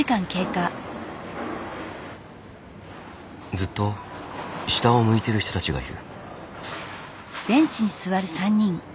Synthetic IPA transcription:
ikãŋke̞ːka | d͡zɨt̪ːo̞ | ɕi̥t̪aomɯ̟it̪e̞ɾɯ̟ç̥it̪o̞t̪at͡ɕiɡa̰ḭɾɯ̟̰ | d̪̥ẽ̞ɲ̟t͡ɕiɲ̟isɨβaɾɯ̟sãɲ̟ːĩŋ

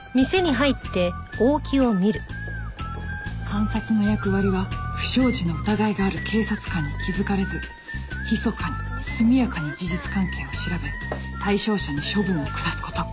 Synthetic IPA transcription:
mʲise̞ɲ̟iɦait̪ːe̞oːkʲʰio̞mʲiɾɯ̟ | kʰãɰ̃sat͡sɨno̞jakɯ̟βaɾʲiβ̞aɸɯ̟̥ɕo̞ːʑino̞ot̪aɡaiɡaːɾɯ̟kʰe̞ːsat͡sɨ̥kãɲ̟ːikʲizɨkaɾe̞zɨ | çʲiso̞kaɲisɨmʲijakanod͡ʑiʑit͡sɨ̥kãŋke̞ːo̞ɕiɾabe̞ | t̪aiɕo̞ːɕaɲ̟iɕo̞bɯ̟̃ɰ̃o̞kɯ̟d̪asɨ̥ko̞̥t̪o̞

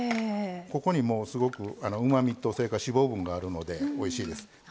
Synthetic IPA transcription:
ko̞ko̞ɲ̟imo̞ːsɨɡo̞kɯ̟ano̞ɯ̟mamʲit̪ːo̞soɾe̞kaɕibo̞ːbɯ̟̃ŋɡaːɾɯ̟no̞d̪e̞o̞iɕiːd̪e̞sɨ̥

